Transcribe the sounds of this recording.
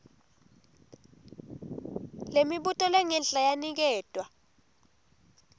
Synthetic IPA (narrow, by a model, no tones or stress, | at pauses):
lemiɓutʼɔlɛŋɛnɬʼajanik̬ɛːd̥ʼʱwa